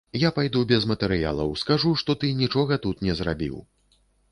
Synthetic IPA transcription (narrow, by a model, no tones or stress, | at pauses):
japajd̪ubʲɛzmɐt̪ɛɾɨja̰lˠɐ̰wskaʐuʂt̪ɔt̪ɨnʲit͡ʂɔɣɐt̪ut̪nʲɛzɾabʲḭw